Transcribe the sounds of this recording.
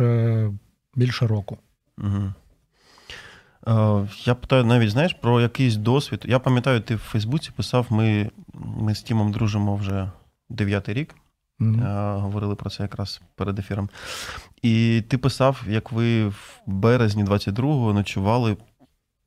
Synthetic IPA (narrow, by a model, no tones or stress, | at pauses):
ɛ | bʲilʲʃɛɾɔkʊ | m̩ɦ̩ | japɪ̥t̪ɑjʊnɑʋʲitʲznɑjɪʃpɾɔjɐkɪjs̬ʲd̪ɔsʲʋʲit̪japɐmʲjɐt̪ɑjʊt̪ɪwfɛjzbut͡sʲi̥pɪsɑwmɪ | mɪsʲtʲimɔmd̪ɾuʒɪmɔwʒɛ | d̪eʋʲjat̪ɪjɾʲik | ɦɔʋɔɾɪlˠɪpɾɔt̪sɛjɐkɾɑspeɾed̪efʲiɾɔm | it̪ɪpɪsɑwjɐkʋɪwbɛɾezʲnʲid̪ʋɑt͡sʲːɐt̚ʲd̪ɾuɦɔɦɔnɐt͡ʃʊʋɑlˠɪ